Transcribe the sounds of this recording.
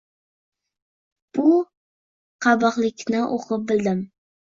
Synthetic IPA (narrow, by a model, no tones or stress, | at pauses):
b̥ʊ | qʰɑbɑqlˠɪkʲnɪʔoqʰɨp̚bɪld̪ɪm